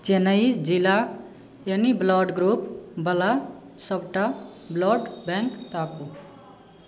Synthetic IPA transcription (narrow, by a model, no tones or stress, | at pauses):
t͡ʃenəjd͡ʒila | jʌniblɔɖɡɾupbəla | sʌbʈablɔɖbɛŋkt̪aku